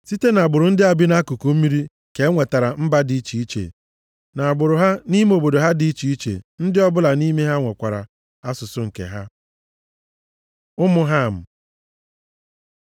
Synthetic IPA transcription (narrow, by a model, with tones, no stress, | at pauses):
si˦te˦na˨bʊ˨ɾʊ˨n̩˦dɪ˦a˨bɪ˦na˦ku˨ku˦m̩˦mi˦ɾi˦ | ke˨˦ŋʷe˨ta˨ɾa˨m̩˦ba˦di˨˦i˦t͡ʃi˨i˦t͡ʃḛ˨ | na˨a˨bʊ˨ɾʊ˨ɦa˦ni˦me˦o˨bo˨do˨ɦa˦di˨˦i˦t͡ʃi˨i˦t͡ʃḛ˨n̩˦dɪ˦ɔ˦bʊ˦la˨ni˦me˦ɦa˦ŋʷe˨kʷa˨ɾa̰˨ | a˦sʊ˨sʊ˦ŋ̩˨kḛ˨ɦa˦ | ʊ˦mʊ˦ɦa˦˨m̩˨